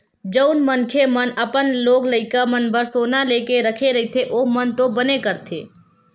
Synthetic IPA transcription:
d͡ʒəʊnmənkʰemənəpənloːɡləɪkamənbəɾsoːnaleːkeɾəkʰeɾɐit̪ʰeʔoːmənt̪obənekəɾt̪ʰḛː

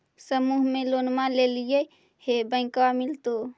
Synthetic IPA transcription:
səmuɦmelonmalelije | hebə̃ɪ̃kwamilt̪o

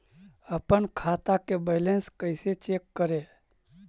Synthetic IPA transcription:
əpənkʰaːt̪akebeɪlẽnskəɪset͡ʃeːkːəɾe

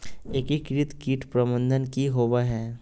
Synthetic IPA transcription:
eːkikɾɪt̪kiːʈpɾɐmə̃nd̪ʱənkiɦoːʋaɦɛː

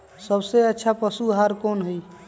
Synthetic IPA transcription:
səbseətːʃʰapəsuɦaɾkonɦəj

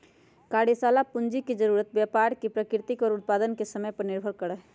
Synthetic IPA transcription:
kaːɽisaːlapʊnd͡ʒikid͡ʒəɾuːɾət̪̚bjapaːɾkipɾəkɪɾt̪ɪkɔːɾʊt̪̚paːd̪ənkesəməjpəɾnɪɾbʱəɾkəɽɛː

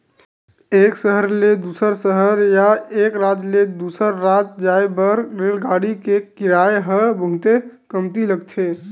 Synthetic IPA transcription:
eːksəɦəɾled̪usəɾsəɦəɾjaekɾat̪led̪uːsəɾːat̪̚d͡ʒaebəɾɾelɡaɽikekɪɾaeɦəbʱəɦt̪ekəmt̪iləɡt̪ʰe

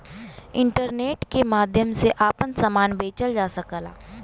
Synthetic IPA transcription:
ɪ̃ɳʈəɾneːʈkemaːd̪ʱjəmseʔaːpənsəmaːnbʱeːt͡ʃəld͡ʒaːsəkəla̰ː

